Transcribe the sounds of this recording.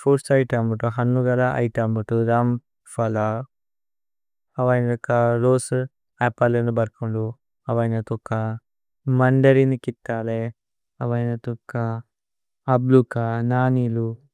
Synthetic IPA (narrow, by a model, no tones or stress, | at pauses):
pʰɐɾsʈɐjʈambuʈuɦɐnːuɡɐlaʔɐ̰jʈambuʈuɾaːm | fɐla | ɐʋajnɐɔkːaɾoːs | aːpːɐlenubɐɾkuɳɖu | ɐʋaːjnɐt̪ukːa | mɐɳɖɐɾinikit̪ːaːle | ɐʋɐjnɐt̪ukːaː | blukanaːnilu